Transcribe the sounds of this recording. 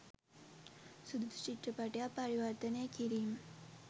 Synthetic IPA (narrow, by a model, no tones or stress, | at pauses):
sud̪ut̪ut͡ʃiʈɾəpaʈjapɐɾiʋəɾt̪ənekiɾiːm